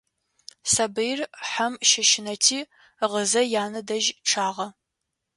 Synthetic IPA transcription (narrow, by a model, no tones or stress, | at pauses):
sɐbɨjrħɐmʃɐʃɪnɐtʰiː | ʁəzɐjaːnɨdɐʒʈ͡ʂʰaːʁɐ